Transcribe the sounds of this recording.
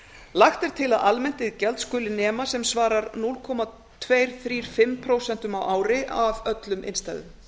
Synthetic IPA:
laxt̪ɛɾ̥t̪ʰɪlaðalmɛn̥t̪ɪðcɛlt̪skʏːlɪnɛːmasɛmsvaːɾaɾnulkʰɔːma | t̪ʰveːjɾ̥θɾiːɾ̥fɪmpʰɾoːwsɛn̥t̪ʏmawʔaːwɾɪʔavœt̪lʏmʔɪ̰nst̪ajðʏ̰m

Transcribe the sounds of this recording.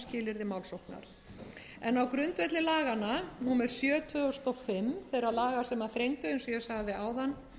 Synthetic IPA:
scɪːlɪɾðɪmaːwlsowhkna̰ɾ̥ | ɛnawkɾʏnt̪vɛt̪lɪlaːɣananuːmɛɾ̥sjœːt̪ʰvœɔst̪ɔfɪmθejɾalaːɣasɛmaðθɾejnt̪ʏejnsɔjɛsaɣðɪaːwðanː

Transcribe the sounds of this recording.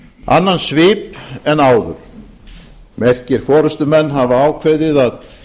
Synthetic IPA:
a̰nːansvɪːpɛnːaːwðʏ̰ɾ̥ | mɛr̥cɪɾ̥fɔːɾʏst̪ʏmɛnːɦavaaːwkʰvejðɪðað

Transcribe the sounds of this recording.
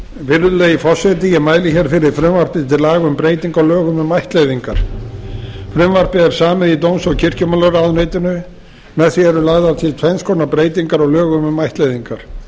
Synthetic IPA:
vɪɾðʏlaifɔrsɛt̪̬ɪjɛmaːjlɪçɛɾ̥fɪɾɪɾ̥fɾʏmvar̥pɪðt̪ʰɪlaːɣʏmpɾeːjt̪iŋkɔlœːɣʏmʏmajht̪lejðiŋkaɾ̥ | fɾʏmvar̥pɪðɛɾ̥saːmɪðit̪ownsɔcʰɪr̥cʏmanlaɾaðneːjt̪ɪnʏ | mɛðθiɛɾʏlaːɣðalt̪ʰit̪ʰfɛnskʰownapɾeːjt̪iŋkaɾɔɣlœːɣʏmmajht̪lejðiŋkaɾ̥

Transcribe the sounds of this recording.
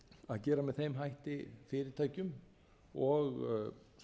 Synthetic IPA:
aðcɛːɾamɛðθejmɦajht̪ɪfɪːɾɪɾt̪ʰaːjcʏm | ɔɣ

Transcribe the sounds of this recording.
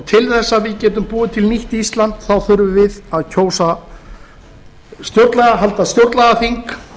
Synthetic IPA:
t̪ʰɪlθɛsːavɪðcɛːt̪ʏmpuːðɪt̪ʰɪlniht̪ist̪lant̪θawθʏɾvʏvɪðaðcʰoːwsa | st̪jowɾt̪lɛɣaɦalt̪ast̪jowɾt̪lɛɣaθiŋk

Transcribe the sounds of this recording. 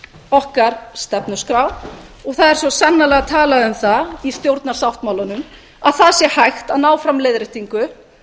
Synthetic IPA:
ɔhkaɾ̥st̪ɛpnʏskɾawɔɣθaðɛɾ̥svɔsanːalɛːɣat̪ʰaːlaʏmθaist̪jowɾt̪naɾ̥sawht̪mawlanʏm | aðθaðsjɛhajxt̪aðnaːwfɾamleːjðɾɪht̪iŋkʏ

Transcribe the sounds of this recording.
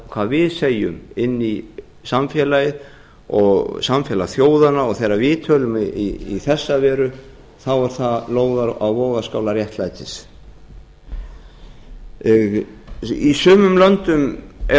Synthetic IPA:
kʰv̥aðvɪðseːjʏ̰mɪnːi | samfjɛːlajɪð | ɔɣsamfjɛːlaθjoːwðanaɔɣθejɾːavɪːt̪ʰœːlʏmiiθɛsːavɛːɾʏ | θawaɾ̥θaloːwðaɾa̰wvɔːɣaskaːwlaɾjɛht̪lajt̪ɪs | isʏːmʏmlœnt̪ʏmɛ

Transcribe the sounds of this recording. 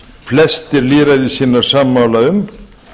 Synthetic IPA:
flɛst̪ɪɾliːɾajðɪsiːnaɾ̥saːmːaːwlaʏm

